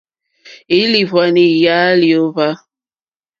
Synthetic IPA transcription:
i˦li˨vwa˨ni˨ja˦li˨o˦va˦

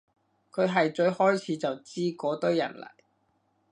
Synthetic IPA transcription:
kʰɵ˨˧ɥɦɐ˨jt͡ʃɵ˧ɥhɔː˥jt͡sʰiː˨˥t͡sɐ˨wt͡siː˥kɔː˨˥t̪ɵ˥ɥjɐ̰˨˩nlɐ̰˨˩j

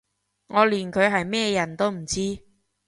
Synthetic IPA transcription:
ŋɔː˨˧liː˨˩nkʰɵ˨˧ɥɦɐ˨jmɛː˥jɐ˨˩nt̪o˥wm̩˨˩t͡siː˥

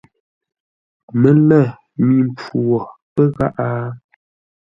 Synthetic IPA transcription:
mə˨lɛ˦˨ | mi˦˨mp͡fu˨ɔ˨pə˦ɣa˦ʔa˦

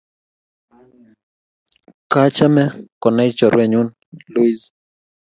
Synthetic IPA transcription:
ka˦t͡ʃa˦mɛ˦kɔ˨na˦i˦t͡ʃɔ˨ɾwɛ˦˨ɲu˦n | lu˦i˦z

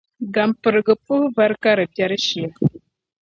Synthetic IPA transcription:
ɡa˨mpə˨ɾɡə˨pu˦hva˦ɾka˦ɾə˨bja˦ɾə˦ʃi˨a˨

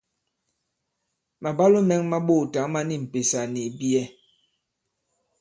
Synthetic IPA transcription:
ma˨ba˦lo˦mɛ˦ŋma˦ɓo˦˨ta˨˦ma˦ni˦˨m̩˨pe˨sa˨ni˨bi˦ɛ˦

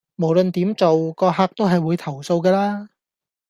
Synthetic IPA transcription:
mo˨˩wlɵ˨nt̪iː˨˥mt͡so˨wkɔː˧ɦaː˧˥k̚t̪o˥wɦɐ˨jwuː˨˧jt̪ʰɐ˨˩wso˧wkɛː˧laː˥

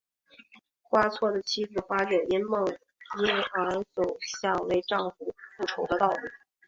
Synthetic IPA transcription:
xwa˥t͡sʰwɔ˥˩d̪ə˩t͡ɕʰi˥t͡sɹ̩˥˩xwa˥t͡ɕɥɛ˨˩ni˥nmɤ˥˩ŋ | i˥nxa˧˥nt͡so˨˩ʊɕjɑ˥˧ŋwe˥˧ɪʈ͡ʂɑ˥˧ŋfu˥˩fu˥˩ʈ͡ʂʰo˧˥ʊd̪ə˧t̪ɑ˥˧ʊlu˥˩

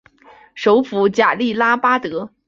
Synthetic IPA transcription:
ʂo˧˥ʊfu˧˥t͡ɕja˨˩li˥˩la˥pa˥t̪ɤ˧˥

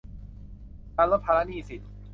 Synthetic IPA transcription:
a˧lo˦˥t̪̚pʰaː˧ɾa˦˥niː˥˧˩si˨˩t̪̚

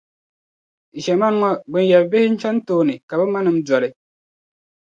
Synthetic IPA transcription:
ʃɛ˨ma˦n˦ŋɔ˦ɡ͡bɨ˨n˦jɛ˨bbe˦hɪ˦n̩˦t͡ʃa˦n˦toː˦˨nɨ˨ka˨bɛ˦ma˦nɨ˨˦m̩˦dɔ˨ɾɪ˨

